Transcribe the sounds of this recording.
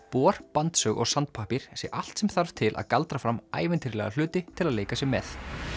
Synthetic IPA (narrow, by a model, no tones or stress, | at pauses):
pɔːɾ̥pant̪sœɣɔ̰ɣsant̪̚pʰaːhpiɾ̥sjɛʔal̥t̪sɛmθaɾv̥t̪ʰɪlʔa̰ðkalt̪ɾafɾama̰ːjvɪnt̪ʰiɾlɛ̰ɣal̥ʏːt̪ɪt̪ʰɪlaðleːjkasjɛmɛθ